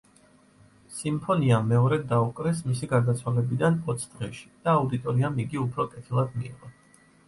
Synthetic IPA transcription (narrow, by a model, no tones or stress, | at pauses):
simpʰɔniamːɛɔɾɛd̪aukʼɾɛsmisiɡaɾd̪at̪sʰwalɛbid̪anɔt̪sʰd̪̥ʁɛʃi̥d̪̥aːud̪it̪ʼɔɾiamiɡiupʰɾɔkʼɛt̪ʰilˠad̪miḭʁɔ